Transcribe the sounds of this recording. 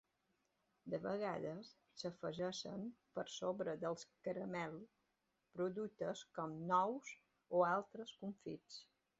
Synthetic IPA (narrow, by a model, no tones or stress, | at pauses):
d̪əβəɣ̞aðəsːəfəʒɛʃə̰mpəɾsoβɾəd̪əlˠskəɾəmɛlˠ | pɾuðut̪əskɔmnɔwz | oalˠt̪ɾəskuɱfit͡s